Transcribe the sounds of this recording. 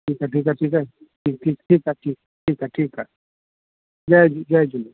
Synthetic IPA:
ʈʰiːkaʈiːkaʈʰiːkaʈʰik̚ʈʰiːkʈʰiːkaʈʰiːk̚ | ʈʰiːkaʈʰiːka | d͡ʒajd͡ʒud͡ʒajd͡ʒuli

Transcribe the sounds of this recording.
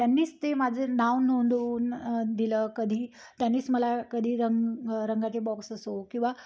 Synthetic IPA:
t̪janːiːst̪emad͡zʱenawnːond̪əuːnd̪iləːkəd̪ʱiː | t̪janːiːsməlakəd̪ʱiːɾəŋɾəŋɡat͡ɕebɔksəsokĩw̃ʋa

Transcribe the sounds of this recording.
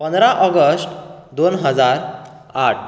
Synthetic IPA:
pənd̪ɾaʔɔɡəsʈd̪onɦəd͡zaɾ | aʈʰ

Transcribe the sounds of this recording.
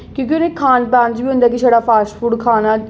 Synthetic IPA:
kjõːk̬iʊneːkʰaːnpaːnd͡ʒbiːʊ̃nd̪aːk̬iʃʰəɽaːpʰaːsʈfʰuːɖkʰaːnaː

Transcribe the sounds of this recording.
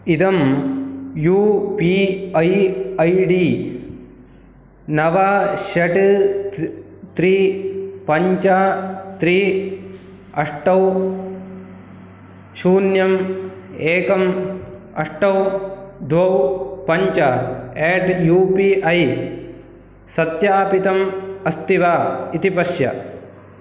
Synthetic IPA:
id̪ɐm | juːpiːɐjɐjɖiː | nɐʋaʃɐʈ | t̪ɾiːpɐɲt͡ʃat̪ɾiː | ɐʂʈɐw | ʃuːnjɐm | eːkɐm | ɐʂʈɐwd̪ʱwɐwpɐɲt͡ʃaeːʈjuːpiʔɐj | sɐt̪jaːpit̪ɐmɐst̪iʋaːit̪ipɐʃjɐ̰

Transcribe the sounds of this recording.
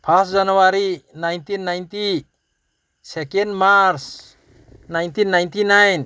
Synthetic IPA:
pʰasd͡ʒanuaɾinajnt̪inːajnt̪i | sɛkend̪maɾs | najnt̪inːajnt̪inajn

